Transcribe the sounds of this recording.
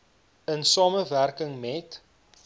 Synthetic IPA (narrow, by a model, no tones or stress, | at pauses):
ənsɑːməværkəŋmɛt